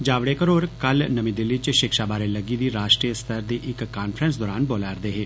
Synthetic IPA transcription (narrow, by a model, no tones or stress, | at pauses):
d͡ʒaːʋɽeːkəɾoːɾkəlnəmĩːd̪ɪlːiːt͡ʃʃɪkʃaːbaːɾeləɡiːd̪iːɾaːʃʈɾijəst̪ʰəɾd̪iːʔɪkːaːnfʰɾənsd̪ɔːɾaːnboːlaːɾd̪eːɦeː